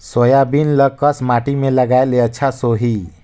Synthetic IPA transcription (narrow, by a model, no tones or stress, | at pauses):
sojabinləkəsmaʈimeləɡaeleətːt͡ʃʰasoɦi